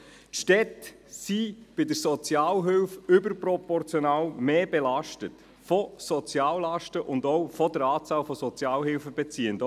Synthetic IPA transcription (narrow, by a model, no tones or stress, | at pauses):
tʃtɛt | sib̥ɪdəɾsɔt͡sjaːlɦʏlfʏbəɾprɔpɔrt͡sjɔnaːlmeːb̥elɑʃtət | fɔsɔt͡sjaːllɑʃtəʔʊndɔwfɔdəɾaːt͡sɑːlfɔsɔt͡sjɑːlɦɪlfəbɛt͡siːənd